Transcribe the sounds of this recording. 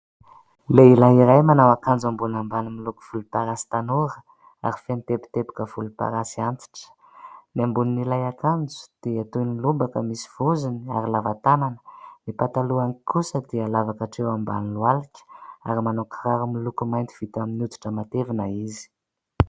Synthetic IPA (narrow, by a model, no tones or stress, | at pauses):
leilaɦiɾajmanawakand͡zambunambanimiluku̥v̥ulupaɾasi̥t̪anoɾə | a̰ɾifenit̪epi̥t̪epi̥kəvulupa̰ɾasiant̪i̥ʈ͡ʂə̥ | nambuninilajakand͡zu̥d̪̥eat̪unilubakəmisi̥v̥uzinia̰ɾilavat̪ananə̥nipat̪aluaŋikʰusəd̪ealavakaʈ͡ʂewamba̰nilwalikʲə̥a̰ɾimanokraɾumilukumajnt̪i̥v̥it̪aminut̪u̥ʈ͡ʂəmat̪evinaizi̥